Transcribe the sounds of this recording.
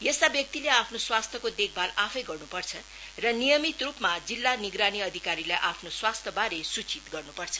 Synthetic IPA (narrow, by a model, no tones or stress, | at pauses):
jest̪abjʌk̚t̪ileapʰnoswast̪ʰjʌkod̪ek̚ʰbʱalapʰʌjɡʌrnupʌrt͡sʰʌ | rʌnijʌmit̪rupmad͡zilːaniɡɾaniʌd̪ʱikaɾilajʔapʰnoswast̪ʰjʌbaɾesut͡sit̪ɡʌrnupʌrt͡sʰʌ̥